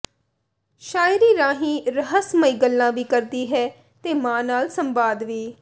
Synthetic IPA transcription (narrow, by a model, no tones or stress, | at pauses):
ʃaːɪɾiːɾãːɦĩːɾəɦəsməiːɡəlːãːʋiːkəɾd̪iːɦɛː | t̪eːmãːnaːlsəmbaːd̪ʋiː